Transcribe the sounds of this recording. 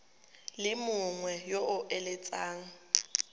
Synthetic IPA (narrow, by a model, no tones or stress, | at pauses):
lɪmʊʊŋwɛjoʔʊʔelet͡sʼaːŋ̩